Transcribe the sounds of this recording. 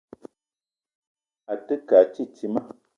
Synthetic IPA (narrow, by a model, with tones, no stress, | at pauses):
a˨tə˦ka˨t͡ʃi˦ti˦mə˦